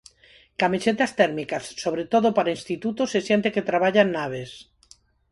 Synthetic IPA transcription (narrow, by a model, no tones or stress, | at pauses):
kamiset̪ast̪eɾmikasːoβɾet̪oðopaɾainst̪it̪ut̪osesjent̪eket̪ɾaβaʎaenːaβ̞es